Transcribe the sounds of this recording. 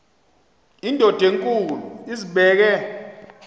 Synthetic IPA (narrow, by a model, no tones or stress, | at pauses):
indʱɔd̥ʱeŋkʼuluiziɓɛːk̬ɛ